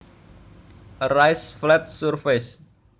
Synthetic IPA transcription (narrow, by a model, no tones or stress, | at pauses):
rajsflɛt̪̚surfes